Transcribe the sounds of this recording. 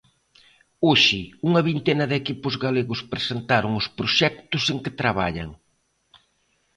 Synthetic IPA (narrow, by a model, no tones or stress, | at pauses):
oʃɪuŋɐβint̪enɐðekipʊzɣaleɣʊspɾesent̪aɾʊŋʊspɾʊʃɛk̚t̪ʊseŋkɪt̪ɾaβa̰ʎɐ̰ŋ